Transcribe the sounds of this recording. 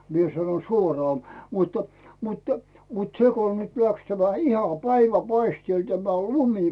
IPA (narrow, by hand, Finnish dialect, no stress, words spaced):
mie sɑno suorɑː mutːɑ̥ mutːɑ̥ mut seko nyt læks tæmæ ihɑ pæiʋæpɑistieˑl tæmæ lumi